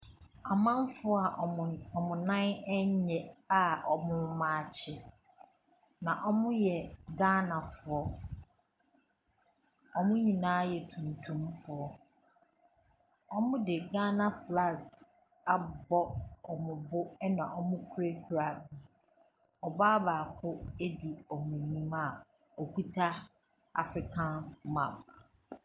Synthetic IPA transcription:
a˨mã˦m˦fʊ˦ɔ˦a˨ɔ˨mʊ̃˨nã˦nɛ˦ɲ˦ɲɛ˨a˨ɔ˨mʊ̃˨mãː˨t͡ɕʰɪ˦ | nã˨ʔɔ˦mʊ̃˦jɛ˨ɡa˦nã˨fʊ˨ɔ˦ | ɔ˦mʊ̃˦ɲĩ˨nãː˦jɛ˨tʰũ˨n˨tʰũ˦mfʊ˨ɔ˦ | ɔ˦mʊ̃˦dɪ˨ɡa˦nã˨fla˦˨ɡ | a˨bɔ˦ɔ˨mʊ̃˨bʊ˦nã˨ʔɔ˦mʊ̃˦kʰu˦ɾe˦kʰu˨ɾa˨bi˨ | ɔ˨baː˦baː˨kʰʊ˦e˦di˨ɔ˨mĩ˨nĩ˦ma˨ | ɔ˨kʰu˦tʰa˦ | a̰˨fɾɪ˨kʰã˦nmã˨p

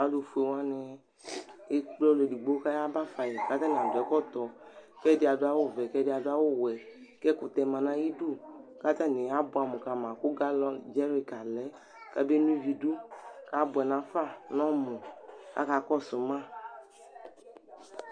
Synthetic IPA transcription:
a˨˦do˧fu˨e˨wa˦nɛ˨ | e˦k͡plɔ˦le˨di˨ɡ͡bo˦ka˦ja˦ba˦fa˨jɛ˨ka˦t̪a˦n˨a˨dʊ˨ɛ˨˦kɔ˦t̪ɔ˨kɛ˦dɪ˦a˨do˦a˦wo˦˨vɛ˨kɛ˦dɪ˦a˨dʊ˦a˦wo˦wɛ˨ | kɛ˦kʊ˨t̪ɛ˨mã˨nã˦ji˦du˦˨ka˦t̪a˦nɛ˨a˦bʊ˨˦a˨mũ˨ka˨mã˨kʊ˦ɡa˦lɔ˦d͡ʒɛ˦ɾi˦ka˨lɛ˦ | ka˦be˦nũ˦vi˧du˦ka˨˦bʊ˨ɛ˨nã˨˦fa˦˨nɔ̃˦mɔ̃˨ka̰˦ka˨kɔ˦˨sʊ˨mã˦

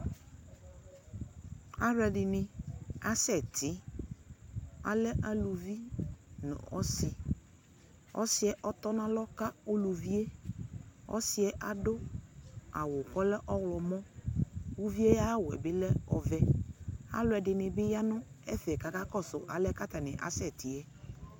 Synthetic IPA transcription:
a˦ɾɛ˨dɪ˨nɪ̃˨a˦sɛ˨tʰɪ˨˦ | a̰˨lɛ˦ʔa˨lu˨vi˦nʊ̰̃˨ɔ̰˦sɪ˨ | ɔ̰˦sɪ˨˦ɛ˦ʔɔ˦t̪ɔ˦nã˦lɔ˦ka˦o˦lu˨vi˦e˦ | ɔ̰˦sɪ˨˦ɛ˦ʔa˨dʊ˦ | a̰˨wʊ˨kɔ˦lɛ˦ʔɔ˦wlɔ˨mɔ̃˦wu˦vi˦e˦ja˦wɛ̰˨bɪ˦lɛ˦ɔ˨vɛ˦a̰˦lʊ˨ɛ˨dɪ˨nɪ̃˨bɪ˦ja˦nʊ̃˦ɛ˦fɛ˨ka˨ka˦kɔ˦sʊ˨ʔa˨lɛ˦ka˦ta˨nɪ̰̃˨ʔa̰˨sɛ˦˨tʰɪ˨ɛ˦

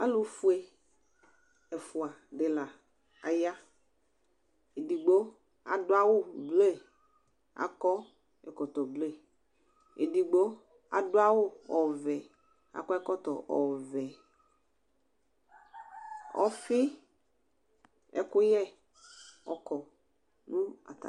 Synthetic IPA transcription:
a˦lu˨fu˦e˦ | ɛ˨fu˨a˨ɖe˨la˨ | a˨ja˦ | e˨di˨ɡ͡bo˦ | a̰˨do˦a˦wo˦ble˦˨ | a̰˨kɔ˦ | ɛ̰˨kɔ˨t̪ɔ˨ble˦˨ | e˨di˨ɡ͡bo˦ | a̰˨do˦a˦wo˦ɔ˨vɛ˨ | a̰˨kɔ˦ɛ˦kɔ˦t̪ɔ˨ʔɔ˨vɛ˨ | ɔ̰˨fi˦ | ɛ̰˦kʊ˦jɛ˦ | ɔ̰˨kɔ˨ | nũ˦a̰˨t̪a̰˨

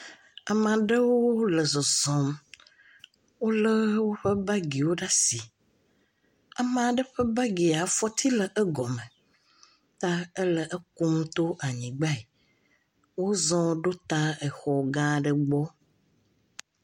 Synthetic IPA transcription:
a˨mã˨ɖə˦wo˦lə˨zɔ˨zɔ̃˨m | wo˦lə˦wo˦ɸə˦ba˦ɡi˨wo˦ɖa˦si˨ | a˨mã˨ɖə˦ɸə˦ba˦ɡi˨a˨fɔ˦t̪ʰi˦lə˨ʔə˦ɡɔ˨mə̃˨ | t̪a˦ə˦lə˨ʔə˦ku˦m˦t̪o˦ʔa˨ɲĩ˨ɡ͡ba˦˨i˨ | wo˦zɔ̃˦ɖo˦t̪a˦e˨xɔ˨ɡã˦ɖə˨ɡ͡bɔ˦

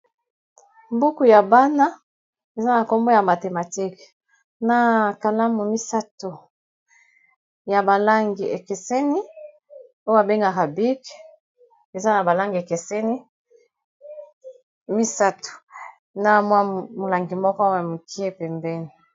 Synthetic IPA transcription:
mbu˦ku˨ja˨ba˦na˦ | e˨za˦na˨ko˦mbo˦ja˨ma˨te˨ma˨ti˦k | na˨ka˨la˦mu˨mi˦sa˦to˨ | ja˨ba˨la˦ŋɡi˨e˨ke˨sɛ˦ni˦ | o˦a˨be˦ŋɡa˨ka˨bi˦k | e˨za˦na˨ba˨la˦ŋɡi˨e˨ke˨sɛ˦ni˦ | mi˦sa˦to̥˨ | na˨mwa˦mo˨la˨ŋɡi˨mɔ˦kɔ˦ja˨mu˨kʰi˦e˦pɛ˨mbɛ˦ni˨

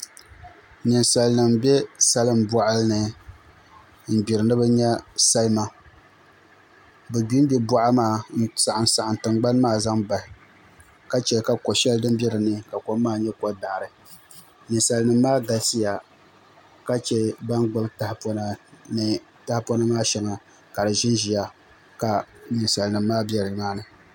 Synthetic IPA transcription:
nɨ˨nsa˨lnɨ˨mbɛ˦sa˦lɨ˦mbɔ˦ʔa˦lnɨ˨ | m̩˨bi˨ɾɨ˨nɨ˦bɨ˦ɲɛ˦sa˦lma˦ | bɨ˨bi˦n˦bi˦bɔ˦ʔa˦maː˦˨n̩˦sa˨ʔa˨nsa˨ʔa˨n˨tɨ˨ŋɡ͡ba˦n˦maː˦˨za˦ŋba˨hɪ˨ | ka˦t͡ʃɛ˨˦ka˨kɔ˨ʃɛ˦ldɨ˦mbɛ˦ɾɨ˨nɨ˦˨ka˨ko˨˦mː˦aː˦ɲɛ˦ko˦daː˨ɾɨ˨ | nɨ˨sa˨lnɨ˨mː˦aː˦ɡa˨si˦ja˨ | ka˦t͡ʃɛ˦ba˦nɡ͡bʊ˦lta˨hpo˦na˦nɨ˨ | ta˦hpo˦na˦maː˦ʃɛ˦ŋa˨ | ka˨dɨ˨ʒɪ˦nʒi˨ja˦ | ka˨nɨ˨nsa˨lnɨ˨mː˦aː˦bɛ˦ɾɨ˨maː˦nɨ˨

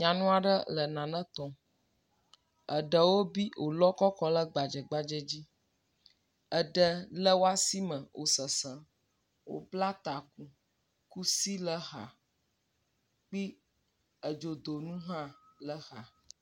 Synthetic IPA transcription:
ɲã˨nũ˦a˨ɖə˦lə˨nã˨nə̃˦t̪ɔ̃˨ | ə̰˨ɖə˨wo˦bi˦wʔo˨lɔ˦kɔ˦kɔ˦lə˦ɡ͡ba˨d͡ʒɛ˨ɡ͡ba˦d͡ʒɛ˦d͡ʑi˦ | ə˨ɖə˨lə˦wo˦a˦si˦mə̃˨wʔo̰˨sə˨sə̃˨ | wo̰˨bla˦t̪a˨k̚u˦ | ku˦si˦lə˦ɦa̰˨ | k͡pi˦ | ə˨d͡ʒo˨d̪o˨nũ˦ɦã˦lə˦xa˨

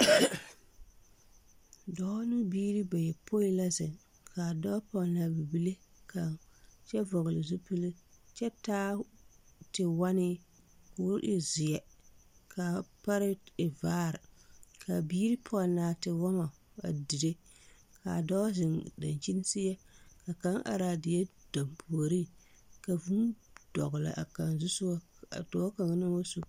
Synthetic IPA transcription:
dɔː˦nɨ˦biː˦ɾi˦ba˨jɛ˨pʰo˦i˦la˦zɪ˨ŋ | ka˨dɔ˦pɔ˦˨na˨bi˨bi˦le˦ka˨ŋt͡ʃɛ˦vɔ˨ɣɪ˨lɪ˨zu˦pɨ˦lɨ˦t͡ʃɛ˦taː˦ | tɪ˨wa˦nɪ˦ | kʊ˦ʔɪ˦zɪ˨jɛ˨ka˨pa˦ɾɪ˦ɪ˨vaː˦˨ɾɪ˨kʰa˨biː˦ɾɪ˦pʰɔ˦˨naː˨˦tɪ˨wɔ˦ma˨ | a̰˨di˨de˦ | ka˨dɔ˦zɪ˨ŋda̰˨nt͡ʃi˦n˦sɪ˦jɛ˦ka˨ka˦ŋʔa̰˨ɾa˨dɪ˨jɛ˦d̥a˨mpʰu˨o˨ɾi˦ | ka˨vu˦nd̥ɔ̰˨ɣʊ˨la̰˨ʔa̰˨ka˨nzu˦sʊ˦a˦ | a̰˨to˨˦ka˨ŋ˦nɨ˦wo˦su˦

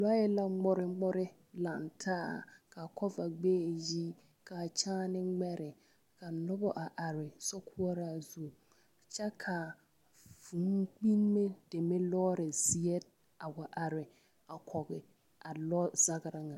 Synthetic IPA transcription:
la˦jɛ˦la˦ŋ͡mʊ˦ɾɪ˦ŋ͡mʊ˦ɾɪ˦ | la˨ntʰaː˦˨ka˨kʰɔ˦va˨ɡ͡beː˦˨ji˦ | ka˨t͡ʃaː˦nɪ˦ŋ͡mɛ˦ɾɪ˨ | ka˨nɔ˦bɔ˦ʔa˨ʔa˨ɾɪ˨sɔ˦kʰu˦ɔ˦ɾa˦˨zu˦˨ | t͡ʃɛ˦kʰa˨ | vu˨ŋ˦k͡pi˦n˦me˦d̥e˨me˦lɔː˦ɾɪ˨zi˨ɛ˦ | a˨wa˨ʔa˨ɾɪ˨ | a˨kʰɔ˨ɣɪ˨ | a˨lɔ˦za˦ɡɪ˨ɾa˦ŋa˨

